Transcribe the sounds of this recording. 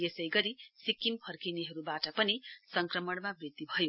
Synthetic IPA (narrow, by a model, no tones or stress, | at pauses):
jesʌjɡʌɾisikːimpʰʌrkineɦʌɾubaʈʌpʌnisʌŋkrʌmʌɽmabrit̪ːibʱʌjo